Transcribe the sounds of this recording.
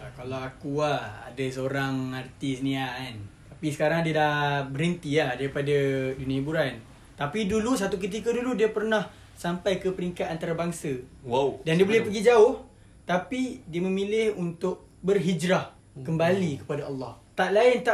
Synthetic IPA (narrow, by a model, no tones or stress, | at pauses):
akalawakuaha̰dasəoɾaŋart̪ɪsnĩaant̪apisə̥kaɾaŋdiadahbəɾənt̪iahdaɾipadaduniãibuɾan | t̪apidulus̬at̪uk̬ət̪̬ikəduludiapərnah | sampajkəpəɾiŋkat̪̚ant̪aɾabaŋsəwadandiəbolɛhpəɡid͡ʒaʊh | t̪apidiəmə̃milɪhunt̪ʊʔ̚ | bərɦid͡ʒɾah | kəmbalikə̥padaɑlːɑht̪aʔlaɪnt̪a